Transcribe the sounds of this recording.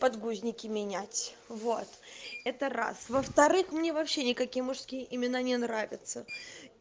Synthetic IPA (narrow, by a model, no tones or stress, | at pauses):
pɐd̪ɡuzʲnʲɪkʲɪmʲɪnʲætʲ | vo̞t̪ɛt̪əɾa̰svəft̪ɐɾɨxmnʲe̞vɐpɕːenʲɪkɐkʲijəmʊʂskʲijəʔɪmʲɪnanʲɪnɾavʲɪt̪sə